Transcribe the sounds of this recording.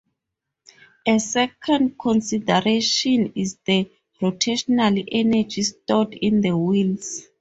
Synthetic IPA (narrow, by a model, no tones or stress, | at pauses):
esɛkʰɔ̃ndkʰɔ̃nsidɛɹeʃɔ̃nizdə | rotʰeʃɔnaliʔɛnad͡ʒistɔdĩnd̪əwils